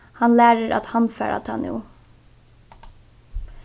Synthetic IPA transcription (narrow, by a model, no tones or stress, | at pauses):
hɑnlæːɹəɾʔa̰t̪hɑnfæ̰ːɹa̰t̪ʰɑ̰nṵː